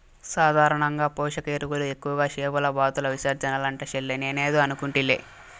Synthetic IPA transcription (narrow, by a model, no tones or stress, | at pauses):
saːd̪ʱaːɾɐɳɐŋɡaːpɔːʂɐkeːɾukulue̞kːuʋɐɡaːʃeːbɐlɐbaːt̪ulɐʋiʃɐːɾd͡ʒɐnɐlɐɳʈɐʃelːeneneːd̪oːɐnukuɳʈilːḛ